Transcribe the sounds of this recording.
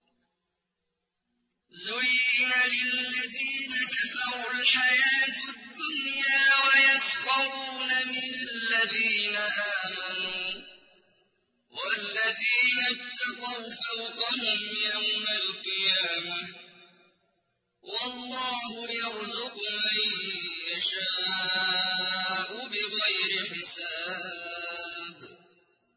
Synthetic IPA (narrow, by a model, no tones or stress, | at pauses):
zʊɾiːnalɪlːaðiːnakaθɑɾˤʊlħajaːt̪ad̪ːʊnjaːwajasqɑɾuːnamɪnalːaðiːnaʔaːmanuː | wʔalːaðiːnapt̪ːɑqɑwfawqaɦʊmjawmalqɨjaːma | wɑlˤːɑːhʊjɑɾzʊqmajjaʃaː | ʔʊbɪɣajɾɪħɪsaː | b